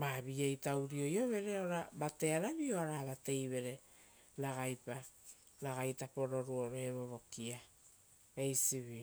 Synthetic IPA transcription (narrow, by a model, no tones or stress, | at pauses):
maβiejtawɾio̞jo̞βe̞ɾe̞oɾabate̞aɾaβioaɾaβate̞jβe̞ɾe̞ | laɡajpa | laɡajtapo̞ɾo̞ɾuo̞ɾoeβoβo̞kia | ejsiβio